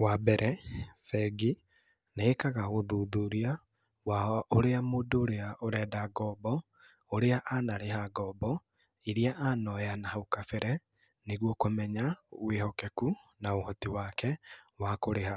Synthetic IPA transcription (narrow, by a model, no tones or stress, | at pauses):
wabɛɾʔɛfɛɡi | neːkaɣaɣoðuːðuɾia | waoɾeamoːdoːɾeaoɾɛːdaɡɔːbɔ | oɾeaʔanaɾeɦaɡɔbɔ | iɾiaʔanɔjanahaukafɛɾɛ | neɣwɔkomɛɲawehɔkɛkunaohɔtiwaːkɛwakoɾeha